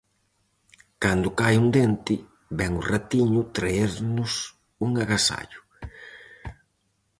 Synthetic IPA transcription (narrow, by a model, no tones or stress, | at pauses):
kand̪ʊkajund̪ent̪ɪ | βɛŋʊrat̪iɲʊt̪ɾaeɾnʊs | uŋaɣasa̰ʎʊ̥